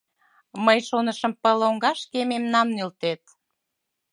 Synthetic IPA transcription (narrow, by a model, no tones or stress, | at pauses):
məjʃonəʃəmpəloŋɡɑʃkememnɑmnylt̪et̪̚